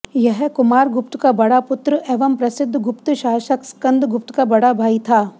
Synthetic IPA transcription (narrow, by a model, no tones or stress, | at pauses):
jɐɦkʊmaːɾɡʊpt̪kabɐɽapʊt̪ɾəʔeːʋɐmpɾɐsɪd̪ʱːɡʊpt̪ʃaːʃəkskɐ̃nd̪ʱɡʊp̚t̪kabɐɽabʱaːit̪ʰaː